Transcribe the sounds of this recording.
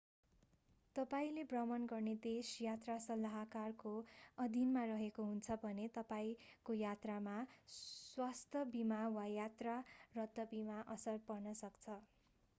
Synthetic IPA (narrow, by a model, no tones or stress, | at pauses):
t̪ʌpaĩlebrʌmʌnɡʌrned̪esjat̪rasʌlːaɦakarkoʌd̪ʱinmarʌɦekoɦunt͡sʰʌbʱʌnet̪ʌpaĩkojat̪ramaswast̪ʰʌbimawajat̪rarʌd̪ʱːʌbimaʔʌsʌrpʌrnʌsʌkt͡sʰʌ